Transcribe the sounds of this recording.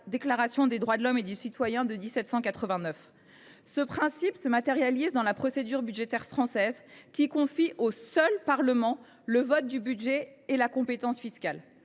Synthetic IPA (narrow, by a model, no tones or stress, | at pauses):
d̪eklaʁasjɔ̃d̪ed̪ʁwad̪əlɔmed̪esit̪wajɛ̃d̪əd̪isɛt̪sɑ̃kat̪χəvɛ̃nœf | səpχɛ̃sipsəmat̪eʁjalizd̪ɑ̃lapχɔsed̪yʁbyd̪ʒet̪ɛʁfχɑ̃sɛzkʲikɔ̃fiʔosœlpaʁləmɑ̃ | ləvɔt̪̚d̪ybyd̪ʒeelakɔ̃pet̪ɑ̃sfiskal